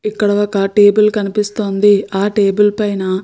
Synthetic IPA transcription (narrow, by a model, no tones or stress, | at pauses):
ikːɐɽɐʋɐkɐʈeːbulkɐnipist̪oːnd̪iaːʈeːbulpɐjnɐ